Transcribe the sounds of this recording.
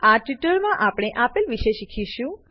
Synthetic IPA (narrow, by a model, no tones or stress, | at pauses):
aʈiʈəɭmãʔapɽ̃eʔapilʋiʃeʃikʰiʃũ